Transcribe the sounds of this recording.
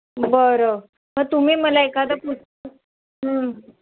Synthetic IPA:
bəɾoʋəɾ | məɡ̚t̪um̤iːməlaekad̪əput͡sʰt̪ə | ɦə

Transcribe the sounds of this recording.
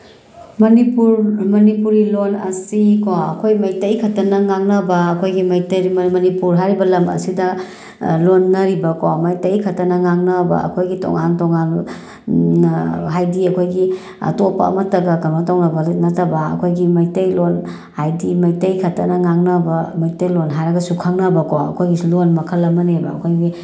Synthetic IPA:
mɐnipuɾmɐnipuɾilonɐ̰sikoɐ̰kʰojmɐjtɐjkʰɐtɐnɐŋaŋnɐbɐːkʰojɡimɐjtɐɾmmɐnipuɾɦaɾibɐlɐmɐ̰sidɐ | lonːɐɾibɐkomɐjtɐjkʰɐtɐnɐŋaŋnɐbɐ̰ɐ̰kʰojɡito̰ŋantoŋan | ɦajdiɐkʰojɡi | ɐ̰topɐ̰ɐ̰mɐtɐɡɐkɐnmatoŋnɐbɐnɐtɐbɐɐ̰kʰojɡimɐjtɐjlon | hajdimɐjtɐjkʰɐtɐnɐŋaŋnɐbɐmɐjtɐjlonɦajɾɐɡɐsukʰaŋnɐbɐkoɐ̰kʰojɡilonmɐkʰɐlːɐmɐnebɐɐkʰojɡi

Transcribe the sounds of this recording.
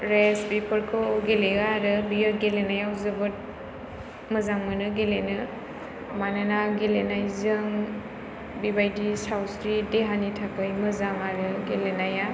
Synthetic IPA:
ɾesbipʰɯɾkʰɔɡeleaɾɯbijɔɡelenajawzɯbɯt̚ | mɯzaŋmɯnɯɡelenɯ | mananaɡelenajzɯŋ | bibajdisawsɾideɦanitʰakʰɯjmɯzaŋaɾɯɡelenaja

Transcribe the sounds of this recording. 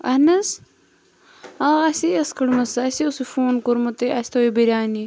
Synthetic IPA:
ɐnɐs | aːɐsiɐskɐɽmɐsɐsiosifoːnkoɾmut̪eʔɐsʲt̪oibiɾʲaːni

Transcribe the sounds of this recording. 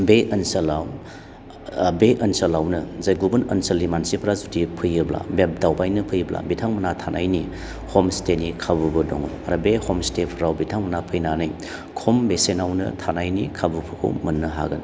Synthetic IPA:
beʔɐnsɐlaw | beʔɐnsɐlawnɯzajɡubɐnɐnsɐlːimansipʰɾazudipʰɯjɯbla̰bep̚dawbajnɐpʰɯjbla̰bitʰaŋmɐnatʰanʔajni | hɔmstenikʰabubɯdɔ̰ŋɯla̰ɾɐbehɔmstepʰɾawbitʰaŋmɐnapʰɯjnanɯj | kʰombesenawnɐ̰tʰanajnikʰabupʰukʰṵmɐnːɐɦa̰ɡɐn

